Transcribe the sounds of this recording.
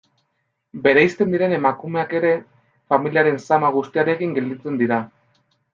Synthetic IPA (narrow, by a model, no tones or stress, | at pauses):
be̞ɾejst̪e̞nd̪iɾe̞ne̞makume̞ake̞ɾe̞ | familiaɾe̞nsamaɣ̞ust̪iaɾe̞kiŋɡe̞ld̪it͡se̞nd̪iɾa